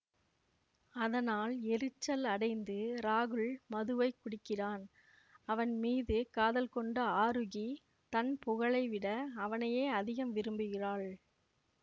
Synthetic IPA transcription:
ɐðɐnaːlɛɾɯt͡ʃːɐlɐɽɐɪnd̪ɯɾaːɣɯɭmɐðɯʋɐɪkːʊɽɪkːɪraːn | ɐʋɐnmiːðɯkaːðɐlkɔɳɖɐaːɾɯɣi | t̪ɐnpʊɣɐɭɐɪʋɪɽɐːʋɐnɐjeːɐðɪɣɐmʋɪɾɯmbɪɣɪraːɭ

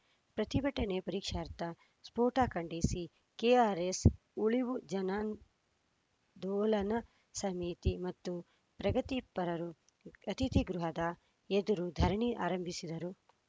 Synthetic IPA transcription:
pɾɐt̪ibɐʈːɐnepɐɾiːkʂaːɾt̪ɐ | spoːʈaːkɐɳɖisi | keaːɾes | uɭiʋud͡ʒɐnaːn | d̪ɔːlɐnɐ | sɐmit̪imɐt̪ːu | pɾɐɡɐt̪ipɐɾɐɾu | ɐt̪it̪iɡɾuɦɐd̪ɐ | ed̪uɾud̪ʱɐɾɐɳiʔaːɾɐmbʱisid̪ɐɾu

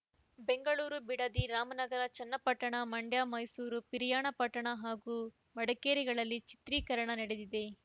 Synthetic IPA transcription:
be̞ŋɡɐɭuːɾubiɽɐd̪iɾaːmɐnɐɡɐɾɐt͡ʃɐnːɐpɐʈːɐɳɐmɐɳɖjaːmɐjsuːɾupiɾijaːɳɐpɐʈːɐɳɐɦaːɡuː | mɐɽɐkeːɾiɡɐɭɐlːit͡ʃi̥t̪ɾiːkɐɾɐɳɐnɐɽed̪id̪e̞

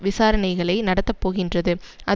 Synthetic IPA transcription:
ʋɪsaːɾɐnɐɪɣɐɭɐɪnɐɽɐt̪ːɐpːoːɣɪndrɐðɯʔɐ

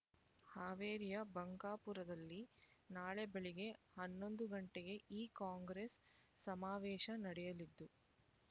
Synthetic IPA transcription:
haːʋeːɾijɐbɐŋɡaːpuɾɐd̪ɐlːinaːɭebeɭiɡe̞hɐnːo̞nd̪uɡɐɳʈeɡe̞ʔiːkaːŋɡɾesː | ɐmaːʋɛːʃɐnɐɽɛjɐlid̪ːu

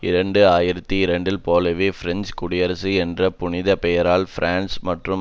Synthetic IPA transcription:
ɪɾɐɳɖɯaːjɪɾɐt̪ːiɪɾɐɳɖɪlpoːlɐʋeːfɾɛnd͡ʒkʊɽɪjɐɾɐsɯɛndrɐpʊnɪðɐpɛjɐɾaːlfɪɾʔaːnsmɐʈrɯ

